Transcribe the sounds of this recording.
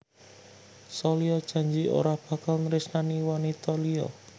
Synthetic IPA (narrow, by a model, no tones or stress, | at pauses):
sɔliɔd̥ʒ̥a̤ɲd͡ʒio̰ɾahb̥a̤kalnɾɪsnaniwanit̪ɔliɔ̰